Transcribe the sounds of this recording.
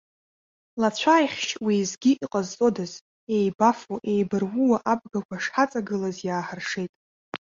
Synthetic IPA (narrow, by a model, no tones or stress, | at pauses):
lat͡ɕʷʰaːjχʲʃʼwizɡʲiʔiqʼazt͡sʼo̞daz | e̞jbafoʔe̞jbɨrwuwaʔab̚ɡakʷaʂħat͡sʼaɡɨlazjaːħarʂe̞jtʼ